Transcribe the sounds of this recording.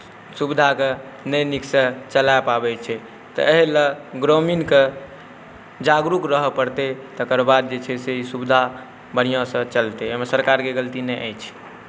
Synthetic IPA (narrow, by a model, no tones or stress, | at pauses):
subd̪ʱake | nəjniksət͡ʃəlaepabɛt͡ʃʰɛ | t̪ɔ̰eɦiləɡɾominke | d͡ʒaɡɾukɾəɦpəɽt̪et̪əkəɾbad̪̚d͡ʒet͡ʃʰɛseisubd̪ʱa | bəɽ̤̃ijãsə̃t͡ʃəlt̪eemesəɾkaɾkeɡəlt̪inɛʔa̰jt͡ʃʰɛ̥